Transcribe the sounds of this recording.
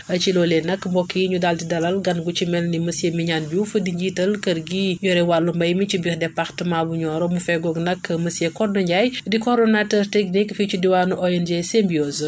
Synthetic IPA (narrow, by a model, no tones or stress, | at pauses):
ʔɐt͡ʃilɔlɛnɐkːmbɔkːiɲudaltidɐlɐlɡɐnɡut͡ʃimɛlnimɐsjemiɲanbufədiɲɟitɐlkɐrɡiːɲɔɾɛwalːumbɐjmit͡ʃibixdɛpːɐxtəmabuɲɔːɾɔmufɛɡɔɡnɐkːmɐsjekɔdɔɲɟajdikɔɾdɔnatɛrtɛknikfit͡ʃudiwanuʔɔɛnd͡ʒesembioz